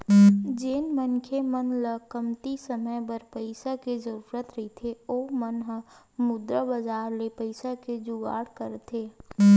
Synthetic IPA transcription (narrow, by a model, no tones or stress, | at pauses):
d͡ʒenmənkʰemənləkəmt̪isəməjbəɾpəɪsakezəɾuɾət̪ɾəit̪ʰeoːmənɦə | mʊd̪ɾəbəzaːɾlepəɪsaked͡ʒʊɡa̰ːɽkəɾt̪ʰeː